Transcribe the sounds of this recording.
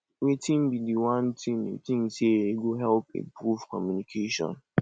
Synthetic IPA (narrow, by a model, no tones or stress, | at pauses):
wetʰĩmbidiwãntʰĩmḛtĩŋseeɡoɦɛlpḛpɾuvkɔmjunikʰeʃɔ̰̃n